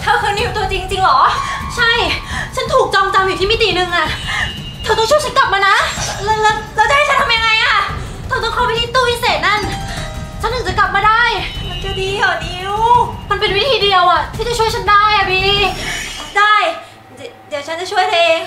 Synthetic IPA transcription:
t̪ʰa˧˩˧kʰːni˧˩˨mt̪u˧ɐt͡ɕi˧ŋt͡ɕi˧ŋlɔː˩˦t͡ɕʰa˥˩jt͡ɕʰa˦˥nt̪ʰuː˨˩k̚t͡ɕɔː˧mt͡ɕa˧mju˨˩t̪ʰiː˥mi˦˥t̪iː˨˩nɯ˧ŋʔa˨˩ | t̪ʰa˨˩˦t̪ɔ˥˩ŋt͡ɕu˥˨jt͡ɕʰa˦˥nkla˨˩p̚maː˧na˦˥llːlɛː˦˥wa˨˩ha˦˥jt͡ɕʰnt̪ʰa˧mja˧ŋa˧jʔa˥˩ | t̪ʰa˨˧˩t̪ɔ˥˩ŋkʰɔː˥˩pa˦t̪ʰiː˧t̪uː˥˩wi˦˥˩seː˨˩t̪̚na˥˩n | t͡ɕʰa˦˥nt̪ɯ˨˩˦t͡ɕa˨˩kla˨˩p̚maː˧daː˥˩jma˧˩nka˧˩diː˧kɔː˨˩niː˦˥luː˦˥˩ma˧npe˧nwi˦˥t̪ʰiː˧di˧əwʔa˨˩t̪ʰiː˥˩t͡ɕa˨˩t͡ɕʰu˥˩əjt͡ɕʰa˦˥ndaː˥˩jʔa˨˩biː˧˥˩niː˥˩daː˥˩j | di˩˦əwt͡ɕʰa˦˥nt͡ɕa˨˩t͡ɕʰu˥˩əjt̪ʰa˦˥ʔeː˧ŋ

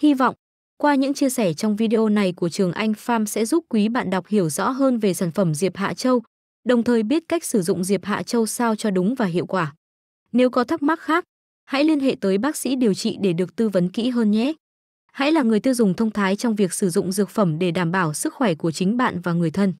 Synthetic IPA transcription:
hi˧vɔ̰˧˨wŋ͡m | kwaː˧ɲɨ̰˧˥ŋt͡ɕi˧əsɛ˧˩t͡ɕɔ˧wŋ͡mvi˧ɗi˧ʔo˧na˨˩jku˧˩ət͡ɕɨ˨˩əŋʔa˧jŋ̟faː˧msɛ̰˧˥zu˦˥p̚kwi˨˦ɓa̰ː˧˨nɗwk͡p̚hi˧˩əwzɔ̰˧˥ɦəː˧nve˨˩saː˧˩nfə˧˩mzi˨˩əp̚ha̰ː˧˨t͡ɕə˧w | ɗə˨˩wŋ͡mt̪ʰəː˨˩jɓi˦˥ət̚ka˦˥jk̚sɨ˧˩zʊ̰˧˨ŋ͡mzi˨˩əp̚ha̰ː˧˨t͡ɕə˧wsaː˧wt͡ɕɔ˧ɗʊ˨˦ŋ͡mvaː˨˩ɦḭ˧˨əwkwaː˧˩ | ne˨˦wkɔ˨˦t̪ʰa˦˥k̚ma˦˥t̚xaː˦˥k̚ | ha̰˧˥jli˧ənɦḛ˧˨t̪əː˨˦jɓaː˦˥k̚sḭ˧˥ɗi˨˩əwt͡ɕḭ˧˨ɗe˧˩ɗɨ˨˩ək̚t̪ɨ˧və˨˦nkḭ˧˥ɦəː˧nɲɛ˦˥ | ha̰˧˥jlaː˨˩ŋɨ˨˩əjt̪i˧wzʊ˨˩ŋ͡mt̪ʰə˧wŋ͡mt̪ʰaː˨˦jt͡ɕɔ˧wŋ͡mvi˨˩ək̚sɨ˧˩zʊ̰˧˨ŋ͡mzɨ˨˩ək̚fə˧˩mɗe˧˩ɗaː˧˩mɓaː˧˩wsɨ˦˥k̚xwɛ˧˩ku˧˩ət͡ɕï˨˦ŋ̟ɓa̰ː˧˨nvaː˨˩ŋɨ˨˩əjt̪ʰə˧n

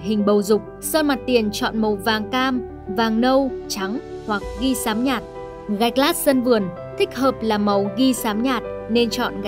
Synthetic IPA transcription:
ɦï˨˩ŋ̟ɓə˨˩wzʊ˨˩k͡p̚səː˧ma˨˩t̚t̪i˨˩ənt͡ɕɔ̰˧˨nmə˨˩wvaː˨˩ŋkaː˧m | vaː˨˩ŋnə˧wt͡ɕa˨˦ŋhwa˨˩k̚ɣi˧saː˨˦mɲaː˨˩t̚ | ɣa˨˩jk̚laː˦˥t̚sə˧nvɨ˨˩ən | t̪ʰï˦˥k̟̚həː˨˩p̚laː˨˩ma˨˦wɣi˧saː˨˦mɲaː˨˩t̚ne˧nt͡ɕɔ̰˧˨n˨

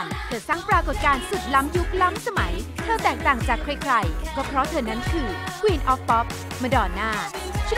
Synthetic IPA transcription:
t̪ʰɤː˧˩sa˥˩ŋpɾaː˧ko˨˩t̪̚kaː˧nsu˨˩t̪̚la˦˥mju˦˥k̚la˦˥msa˧ma˩˦jt̪ʰaː˧˩wt̪ɛː˨˩k̚t̪aː˨˩ŋt͡ɕaː˨˩kʰːɾa˧jkʰɾa˧jkɔː˥˩pʰɾɔ˦˥t̪ʰɤː˧˩na˦˥nkʰɯː˧kʰwiː˧nʔɔː˦˥fpɔ˦˥p̚ | ma˧dɔː˧˩nːaː˥˩ | t͡ɕʰ

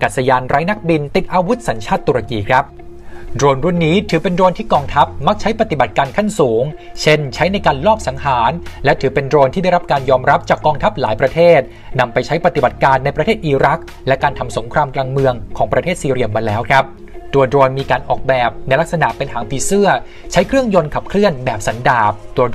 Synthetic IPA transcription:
kaː˨˩t̪̚sa˧jaː˧nɾaː˦˥jna˦˥k̚bi˧nt̪i˨˩t̪̚ʔaː˧wu˦˥t̪̚sa˩˦nt͡ɕʰaː˥˩t̪ːu˧ɾa˧kiː˧kʰɾa˦˥p̚ | dɾoː˧nɾu˥˩nːiː˦˥t̪ʰɯː˩˦pe˧ndɾoː˧nt̪ʰiː˥˩kɔː˧ŋt̪ʰa˦˥p̚ma˦˥k̚t͡ɕʰa˦˥jpa˧t̪i˨˩ba˨˩t̪̚kaː˧nkʰa˥˩nsuː˩˦ŋ | t͡ɕʰe˥˩nt͡ɕʰa˦˥jna˧jkaː˧nlɔː˥˩p̚sa˩˦ŋɦaː˩˦nlɛ˦˥ʔt̪ʰɯː˩˦pe˧ndɾoː˧nt̪ʰiː˥˩da˥˩ɾa˦˥p̚kaː˧njɔː˧mɾa˦˥p̚t͡ɕaː˨˩kːɔː˧ŋt̪ʰa˦˥p̚laː˩˦jpɾa˧t̪ʰeː˥˩t̪̚ | na˧mpa˧jt͡ɕʰa˦˥jpɾa˧t̪i˨˩ba˨˩t̪̚kaː˧nːa˧jpɾa˧t̪ʰeː˥˩t̪̚ʔiː˧ɾa˦˥k̚ | lɛ˦˥kaː˧nt̪ʰa˧mso˩˦ŋkʰɾaː˧mklaː˧ŋmɯ˧əŋkʰɔː˩˦ŋpɾa˧t̪ʰeː˥˩t̪siː˧ɾi˧əmaː˧lɛː˦˥wkʰɾa˦˥p̚ | t̪u˧ɐdɾoː˧nmiː˧kaː˧nʔɔː˨˩k̚bɛː˨˩p̚na˧jla˦˥k̚sa˧na̰˨˩pe˧nhaː˩˦ŋpʰiː˧sɯ˥˩ɐ | t͡ɕʰa˦˥jkʰɾɯ˥˩əŋjo˧nkʰa˨˩p̚kʰlɯ˥˩ənbɛː˨˩p̚sa˩˦ndaː˨˩p̚t̪u˧

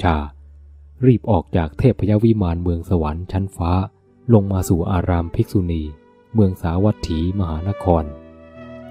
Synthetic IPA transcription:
t͡ɕʰaː˧˩ | ɾiː˥˩p̚ʔɔː˨˩k̚t͡ɕaː˨˩k̚t̪ʰeː˥˩pʰːa˧ja˦˥wi˦˥maː˧nmɯ˧əŋsa˧wa˩˦nt͡ɕʰa˦˥nfaː˦˥ | lo˧ŋmaː˧suː˨˩ʔaː˧ɾaː˧mpʰi˦˥k̚su˧niː˧ | mɯ˧əŋsaː˩˦wa˦˥t̪ʰːiː˩˦ma˧ɦaː˩˦na˦˥kʰɔː˧n

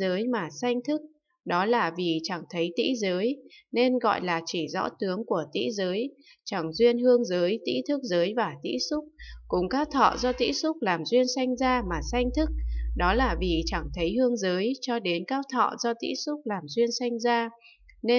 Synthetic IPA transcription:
əː˨˦jmaː˨˩sa˧jŋ̟t̪ʰɨ˦˥k̚ | ɗɔ˨˦laː˨˩vi˨˩t͡ɕa˧˩ŋt̪ʰə˨˦jt̪ḭ˧˥zəː˨˦jne˧nɣɔ̰˧˨jlaː˨˩t͡ɕi˧˩zɔ̰˧˥t̪ɨ˨˦əŋku˧˩ət̪ḭ˧˥zəː˨˦j | t͡ɕa˧˩ŋzwi˧ənhɨ˧əŋzəː˨˦jt̪ḭ˧˥t̪ʰɨ˦˥k̚zəː˨˦jvaː˨˩t̪ḭ˧˥sʊ˦˥k͡p̚kʊ̰˧˩ŋ͡mkaː˦˥t̪ʰɔ̰˧˨zɔ˧t̪ḭ˧˥sʊ˦˥k͡p̚laː˨˩mzwi˧ənsa˧jŋ̟zaː˧maː˨˩sa˧jŋ̟t̪ʰɨ˦˥k̚ɗɔ˨˦laː˨˩vi˨˩t͡ɕa˧˩ŋt̪ʰə˨˦jhɨ˧əŋzəː˨˦jt͡ɕɔ˧ɗe˨˦nkaː˦˥w̚t̪ʰɔ̰˧˨zɔ˧t̪ḭ˧˥sʊ˦˥k͡p̚laː˨˩mzwi˧ənsa˧jŋ̟zaː˧ | ne˧

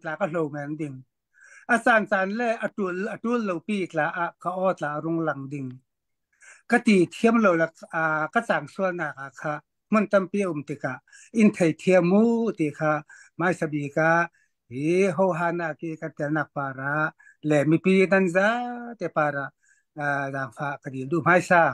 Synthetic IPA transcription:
t͡ɬaː˨ka˧lo˨wmɛ˨ndi˧˨ŋ | ʔa˨t͡saː˨nt͡saː˨nlɛ˧˨ʔa˧˨tu˧˨ʔa˨tu˧˥˦llo˨wpiː˧˨t͡ɬaː˨˦ʔa˧˨ʔka˧ʔɔː˧˨t͡ɬaː˨ʔɾʊ˧˥ŋla˨ŋdi˧˨ŋ | ka˧t̪i˨˩t̪ʰi˧əmlo˨wlɛ˧˨˧ka˧t͡saː˨ŋsu˧əlnaː˧˩k̚ʔa˨kʰa˧˨ | m̥ɔ˧˥˨nt̪a˧˨mpiː˧˨ʔu˨mt̪i˨ka˨ʔ | ʔi˧˥nt̪ʰe˨˩jt̪ʰi˧ə˧mmuː˧˨t̪i˧˨kʰa˧ | maː˧˨jsa˧biː˨ka˧ | i˨ɦo˧˨wɦaː˧˨na˧˨ki˧˨ka˧t̪ɛ˨lna˧˨k̚paː˨˩ɾa˧˦ʔ | lɛ˧˨mi˧˨piː˧˨na˧˨nza˧˦t̪ɛ˧˨paː˨ɾa˨ʔ | zaː˨˩ŋfʰaː˧˨ʔka˧di˨ndu˧˨m̥aː˧˨jsaː˧˩

